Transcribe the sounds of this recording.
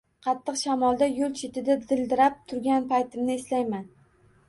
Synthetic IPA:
qʰɑt̪ʰːɨqʃamɒlˠd̪ajolt͡ʃʰet̪ʰɪd̪ad̪ɪld̪ɪɾap̚t̪ʰʊɾɡʲanpʰajt̪ʰɪmnɪeslajman

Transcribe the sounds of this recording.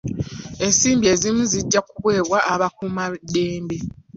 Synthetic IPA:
e̞nsiːmbie̞ːzimuziɟːakuβwe̞ːβwaʔːβakumadeːmbe

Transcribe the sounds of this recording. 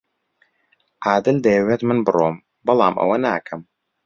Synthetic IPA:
ʔaːd̪ɨld̪ɐjɛweːt̪mɨnbɨroːm | bɐlˠɑ̰ːmʔɐ̰wɐnaːkʰɐm

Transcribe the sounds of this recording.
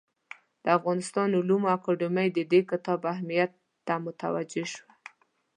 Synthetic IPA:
d̪̥əafɣɑnɪst̪ɑnʊlumakɑɖɪmajd̪əd̪ekɪt̪ɑbahmijat̪ːamʊt̪a̰wa̰d͡ʒeʃwa

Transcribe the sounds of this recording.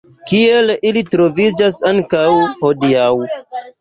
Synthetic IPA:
kie̞lilitɾo̞vid͡ʒasaŋkawho̞diaw

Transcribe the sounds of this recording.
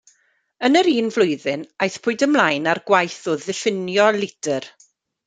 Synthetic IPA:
ənəɾiːnvlˠʊjðɨnajθpʰʊɨdəmlajnarɡwajθɔðɪfɪnjɔlɪd̥ər

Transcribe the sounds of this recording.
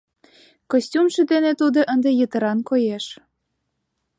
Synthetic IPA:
kosʲtʲumʃĕd̪enet̪ud̪oʔənd̪ejət̪ə̆ɾɑnkojeʃ

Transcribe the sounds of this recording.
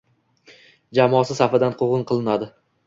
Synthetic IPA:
d͡ʒamɒsɪsafɪd̪anqʰoʁɨnqʰɨlˠɪnad̪ɪ

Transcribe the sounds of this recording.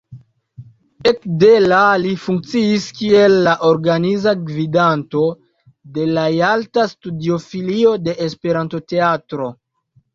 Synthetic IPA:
ekdelalifuŋk̚t͡siːskie̞lːaʔo̞ɾɡanizaɡvidanto̞ | de̞lajaltastudio̞filio̞de̞ʔespe̞ɾanto̞te̞atɾo̞

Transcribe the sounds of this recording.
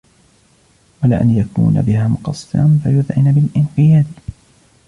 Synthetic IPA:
walaːʔanjakṵːna̰bɪhaːmʊqɑsˤːɨ̰ɾɑnfajʊðʕɪnabɪlʔɪnħɪjaːd̪

